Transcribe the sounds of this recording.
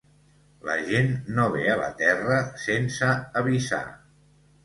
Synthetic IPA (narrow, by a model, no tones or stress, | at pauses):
lə̰ʒenːoβeələ̰t̪ɛrəsensəːβisa̰